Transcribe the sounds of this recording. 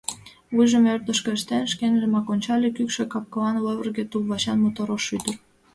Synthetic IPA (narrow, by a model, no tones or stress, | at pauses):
βujʒə̆mørt̪ə̆ʃkĕʃt̪enʃkenʒĕmɑkonʲt͡ɕɑlʲekykʃĕkɑp̚kɤlɑnleβərɣĕt̪ulβɑɕɑnmot̪oɾoʃyd̪ər